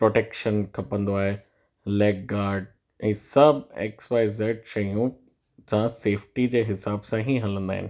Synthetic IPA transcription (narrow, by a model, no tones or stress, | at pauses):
pɾoːʈeːkʃənkʰɐpə̃nd̪oaːɦe | leːɡ̚ɡaːɾɖ | ɛ̃ːsɐbʱḛːksʋaːɪzeːʈʃɐjũ | d͡ʑãseːfʈid͡ʑeːɦɪsaːbsãɦĩɦɐlə̃nd̪aːɦɪ̰nɪ